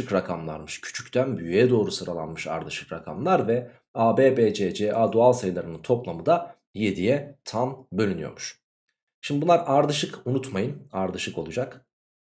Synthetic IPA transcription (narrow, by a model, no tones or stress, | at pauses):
ɯkɾakʰamlˠa̰ɾmɯʃcʰy̥t͡ʃʰy̥ct̪ʰænbyjyjɛd̪o̞ːɾusɯɾalˠa̰nmɯʃa̰ɾd̪ɯʃɯ̥kɾakʰa̰mlˠaɾvɛ | aːbeːbeːd͡ʒed͡ʒeʔaːd̪oalˠsajlˠaɾɯnɯnt̪ʰo̞plˠamɯd̪a | je̞d̪ijɛt̪ʰambø̞lʲynyjo̞̰ɾmuʃ | ʃimd̪ibunˠaɾaɾd̪ɯʃɯkunut̪majɯnaɾd̪ɯʃɯko̞lˠud͡ʒak